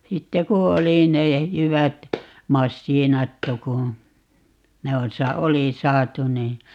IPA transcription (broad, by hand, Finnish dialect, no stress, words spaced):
sitːe ku oli ne jyʋæt mɑsːiːnɑtːu ku ne on sɑ oli sɑːtu niː